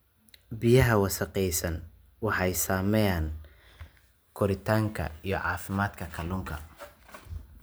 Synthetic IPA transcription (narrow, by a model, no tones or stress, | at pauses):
bɪjɐɦɐwɑsɐqɛjsɐn | wɑħɑjsaːmɛjaːn | kʰʊɾɪt̪ʰaːŋkʰɐ̰ijɞʕɑːfɪmaːd̪kʰɐkʰɐlʊŋkʰɐ̰